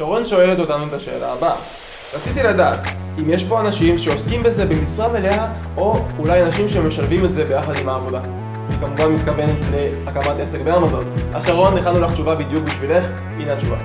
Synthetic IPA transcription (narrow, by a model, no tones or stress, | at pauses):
ʃaʁo̞nʃo̞elet̪o̞tanuetaʃe̞̰ːlʔaːba | ʁat͡sitiladaːt̪imje̞ʃpo̞anaʃimʃe̞oskimbe̞ze̞be̞misʁaveleɦaʔo̞ulajanaʃimʃe̞meʃalvime̞tze̞be̞jaχad̪imaːvo̞da | ikamuvanmit̪kave̞netle̞akamatʔe̞se̞kbeamazo̞naʃaʁo̞nːeχanulaχt͡ʃuvabid̪juk̚biʃvile̞χ | minat͡ʃuva̰